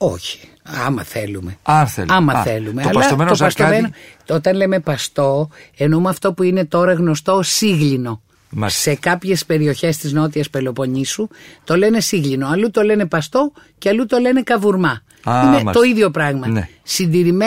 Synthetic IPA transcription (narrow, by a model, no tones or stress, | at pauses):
o̞̰çi̥ | ɐ̰mɐ̰θe̞lume̞θɐmɐθe̞lume̞ɐlɐsomt̪opɐst̪omenoot̪ɐnle̞me̞pɐst̪o̞e̞noumɐft̪o̞puine̞t̪o̞ɾɐɣno̞st̪o̞siɣʎino̞ | se̞kɐpçe̞spe̞ɾio̞çe̞st̪izno̞t̪̬iɐspe̞lo̞po̞ɲisut̪o̞le̞ne̞siɣʎino̞ɐlut̪o̞le̞ne̞pɐst̪o̞ | ceɐlut̪o̞le̞ne̞kɐvuɾmɐ | inet̪o̞iðʝo̞pɾɐɣmɐsind̪iɾim